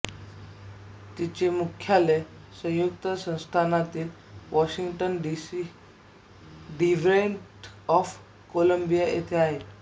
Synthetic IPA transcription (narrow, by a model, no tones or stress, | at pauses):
t̪it͡ɕemukʰjale | sə̃w̃jukt̪əsə̃w̃st̪ʰanat̪iːl | ʋɔɕiŋɡʈənɖisi | ɖiʋɾeɳʈɔf | koləmbijaʔḛt̪ʰeaɦe